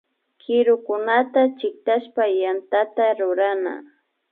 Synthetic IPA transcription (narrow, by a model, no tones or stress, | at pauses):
kʰɪɾʊkʊnat̪at͡ʃɪk̚t̪aʃpajant̪at̪aɾʊɾana̰